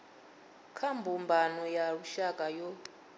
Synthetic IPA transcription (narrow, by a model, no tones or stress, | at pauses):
kʰambʱumbʱanɔjauʃakʼajɔ